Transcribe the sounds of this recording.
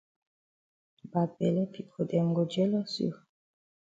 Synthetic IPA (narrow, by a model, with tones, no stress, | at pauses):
ba˨bɛ˨lɛ˦pi˨kʰo˨dɛ˨ŋɡo˨d͡ʒɛ˦lɔ˦sḭ˦˨